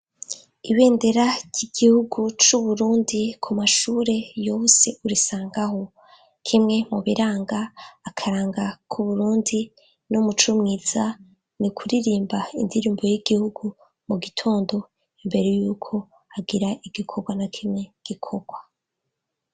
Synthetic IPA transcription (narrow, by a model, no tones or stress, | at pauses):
iβe̞ːnde̞ɾaɟ̥iɡ̥ihuɡut͡ʃuβuɾuːndikʰumaʃuːɾe̞jo̞se̞uɾisaːŋɡaho̞ | kʰimŋe̞muβiɾaːŋɡaːkʰaɾaːŋɡakʰuβuɾuːndi | numut͡ʃumŋiːz̥a | nikʰuɾiɾiːmbaindiɾiːmbojiɡihuɡu | muɡitʰo̞ːndo̞ | imbe̞ɾe̞juːkʰo̞ | aɡiɾaʔiɡ̥ikʰo̞ɡwanakʰimŋe̞ɡ̥ikʰo̞ɡ̥wa